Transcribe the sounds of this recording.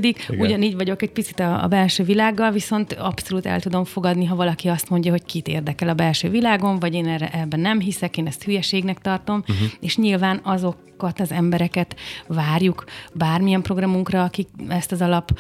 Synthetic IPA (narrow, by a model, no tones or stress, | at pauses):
d̪iɡuɟɒniːɟʋɒɟo̞kɛɟ̚pit̪si̥t̪ɒ̰ːbɛlʃøːvilaːɡːɒlviso̞nt̪ɒpso̞luːt̪ɛ̰lt̪ud̪o̞ɱfo̞ɡɒd̪niɦɒvɒlɒkiɒst̪mo̞ɲɟɒɦo̞ckit̪ḛːrd̪ɛkɛlɒbɛlʃø̰ːvilaːɡo̞ɱvɒɟeːnɛrɛ̰ʔɛbːɛnɛmɦisɛkeːnɛst̪hyjɛʃeːɡnɛkt̪ɒrt̪o̞meːʃɲilvaːnɒzo̞kː | ɒt̪ɒzɛmbɛɾɛkɛt̪vaːrjukbaːrmijɛmpro̞ɡrɒmuŋkrɒːkikɛst̪ɒzɒlɒp